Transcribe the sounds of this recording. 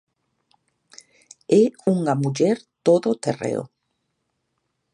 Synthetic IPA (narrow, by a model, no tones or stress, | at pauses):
euŋamuʎeɾt̪oðot̪erḛo̰